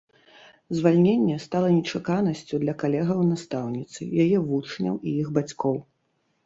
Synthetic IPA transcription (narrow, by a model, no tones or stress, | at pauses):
zvalʲnʲenʲːɛst̪alˠɐnʲɛt͡ʂakanɐsʲt͡sʲud̪lʲɐkalʲɛɣɐwnast̪awnʲit̪sɨ̰jajɛvut͡ʂnʲɐ̰wiiɣbat͡sʲkɔw